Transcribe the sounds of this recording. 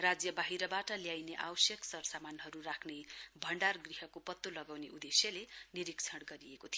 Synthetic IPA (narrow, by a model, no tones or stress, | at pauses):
rad͡zjʌbaɦiɾʌbaʈʌljajneʔa̰wsjʌksʌrsamanɦʌɾurakʰnebʱʌɳɖarɡriɦʌkopʌt̪ːolʌɡawneʔud̪esjʌleniɾikt͡sʰʌɽɡʌɾiekot̪ʰijo